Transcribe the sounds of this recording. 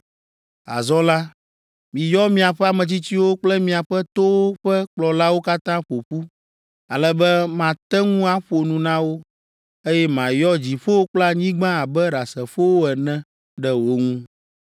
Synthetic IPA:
a̰˨zɔ̃˦la˦ | mĩ˨jɔ˦mĩ˦a˨ɸɛ˦a˨mɛ̃˨t͡ɕi˦t͡ɕi˦wo˦k͡plɛ˦mĩ˨a˨ɸɛ˦t̪o˦wo˦ɸɛ˦k͡plɔ˨la˦wo˦ka˦t̪ã˦ɸo˨ɸu˦ | a˨lɛ˦bɛ˦mã˨t̪ɛ˦ŋũ˦a˦ɸo˨nũ˨nã˦wo˦ | e˦jɛ˦mã˨jɔ˦d͡ʑi˨ɸo˦wo˦k͡pla˦ɲĩ˦ɡ͡bã˦a˨bɛ˦ɖa˨sɛ˨ɸo˦wo˦ɛ˨nɛ̃˦ | ɖɛ˨wo˦ŋũ˦

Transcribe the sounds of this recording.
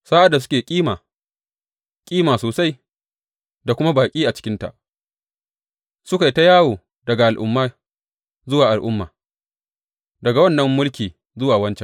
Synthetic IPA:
saː˦ʔa˨dːa˨s̬ʊ˦kʲeː˨kʲʼiː˦maː˨ | kʲʼiː˦maː˨soː˨sa˦j | da˨kʷʊ˦ma˦baː˨kʲʼiː˦ʔa˨t͡ʃɪ̥˦kʲɪ˦nta̰˨ʔ | sʊ˦ka˨jta˦jaː˦woː˨ | dɐ˨ɡa˨ʔa˨lʔʊ̰˦mːaː˦ | zʊ˦waː˨ʔa˨lʔʊ˦mːaː˨ | dɐ˨ɡa˨wɐ˦˨nːɐ˦mːʊ˦lkʲiː˨ | zʊ˦waː˨wɐ˦nt͡ʃɛ˨n

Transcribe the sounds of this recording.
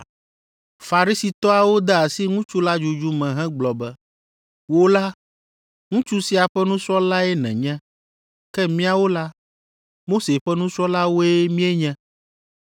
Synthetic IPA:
fa˨ɾi˦si˨t̪ɔ˦a˨wo˦d̪ɛ˦a˨si˦ŋũ˦t͡ʃu˦la˦d͡ʒu˦d͡ʒu˦mɛ̃˨ɦɛ̃˦ɡ͡blɔ˨bɛ˦ | wo˦la˦ | ŋũ˦t͡ʃu˦si˦a˨ɸɛ˦nũ˦sɾɔ˦la˦ɛ˦nɛ̰̃˨ɲɛ̃˦ | kɛ˦mĩ˦a˦wo˦la˦ | mo˦se˨ɸɛ˦nũ˦sɾɔ˦la˦wo˦ɛ˦mĩ˦e˦ɲɛ̃˦

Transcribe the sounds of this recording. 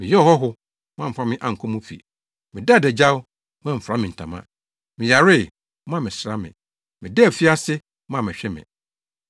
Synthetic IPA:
mɪ̃˨jɛ˦ɔ˨hɔ˦ɦʊ˦ | mã˦m̩˨fa˦mɪ̃˦ʔã˨ŋ̩˨kʰɔ̃˦mũ˦fḭ˨ | mɪ̃˨da˦˨dɛ˨d͡ʑa˦w | mã˦m̩˨fɾa˦mɪ̃˨n̩˨tʰã̰˨mã̰˦ | mɪ̃˨ja˨ɾɪ˦˨ | mã˦˨mɪ̃˨sɾa˦mɪ̰̃˨ | mɪ̃˨dɛ˦˨fi˦a˦sɪ˦ | mã˦˨mɪ̃˨ɕᶣɛ˦mɪ̰̃˨

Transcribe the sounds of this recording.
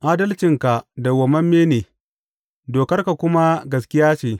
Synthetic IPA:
ʔaː˦dɐ˦lt͡ʃɪ˨ŋka˨da˨wɐ˨mɐ˦mːeː˦neː˨ | doː˨kɐ˦rka˨kʷʊ˦ma˦ɡɐ˨skʲɪ˦jaː˦t͡ʃeː˨

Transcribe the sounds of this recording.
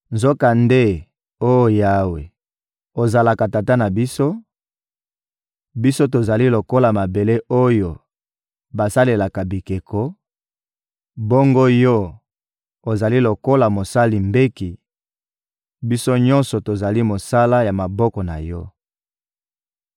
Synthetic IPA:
nzo˦ka˨nde˦ | o˦jo˨ja˦we˨ | o˨za˨la˨ka˨ta˨ta˦na˨bi˦so˦ | bi˦so˦to˨za˨li˦lo˨ko˦la˨ma˨be˨le˦ʔo˦jo˨ | ba˨sa˦le˨la˨ka˨bi˨ke˨kʰɔ˦ | bo˦ŋɡo˦jɔ˦ | o˨za˨li˦lo˨ko˦la˨mo˨sa˦li˨mbe˦ki˨ | bi˦so˦ɲɔ̃˦nsɔ˨to˨za˨li˦mo˨sa˦la˦ja˨ma˨bɔ˦kɔ˨na˨jɔ˦

